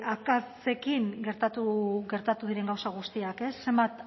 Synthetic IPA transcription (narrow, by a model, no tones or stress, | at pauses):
akas | e̞kiŋɡe̞ɾt̪at̪uɡe̞ɾt̪at̪uð̞iɾe̞ŋɡawsaɣ̞ust̪iake̞sːe̞mbat̪